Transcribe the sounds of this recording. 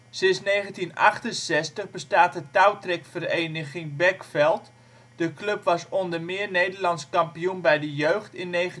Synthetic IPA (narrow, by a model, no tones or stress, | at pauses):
sɪnsnejχəntinɑ̰χtənsɛstəχbəstaːtətawtrɛkfərejnəχɪŋbɛkfɛlˠt | d̥əklɵpʋɑsɔndəmɪːnejdəlɑnskɑmpiunbɛjdəjøɥχtɪnːejχə